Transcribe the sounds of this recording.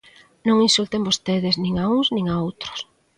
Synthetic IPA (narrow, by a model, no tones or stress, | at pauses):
nõŋinsult̪embost̪eðeznĩŋauŋznĩŋaowt̪ɾo̥s